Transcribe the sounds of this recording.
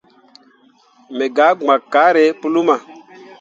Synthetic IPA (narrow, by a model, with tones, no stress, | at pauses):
me˨ɡaː˨˦ɡ͡ba˨kːa˨˦ɾe˨˦pu˦lu˦ma˨